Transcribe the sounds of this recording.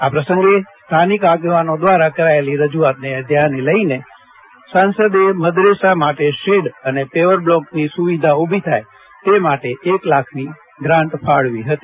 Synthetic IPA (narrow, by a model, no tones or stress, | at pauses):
apɾəsə̃ŋɡest̪ʰanikaɡeʋanod̪ʋaɾakəɾaeliɾəd͡ʒuat̪̚neəd̪ʱjaneləine | sansəd̪eməd̪ɾesamaʈeʃeɽənepeʋəɾblɔknisuʋid̪ʱaubʱit̪ʰaj | t̪emaʈeʔeklakʰni | ɡɾãɳʈfʰaɭʋiɦət̪i